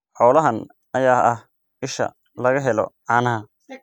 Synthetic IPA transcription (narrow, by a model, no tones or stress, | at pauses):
ħɔːlɐɦɐn | ɐjaːɐh | ɪʃɐ̰ | lɐɣɐɦɛlɔ̰ʕaːnɐɦɐ